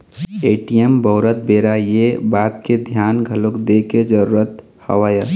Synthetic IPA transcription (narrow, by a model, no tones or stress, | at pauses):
eːʈijembɔʊɾət̪̚beːɾajebaːt̪ked̪ʱjaːnɡʱɐlokd̪eːked͡ʒəɾuːɾət̪ | hɐ̰ʋaːjə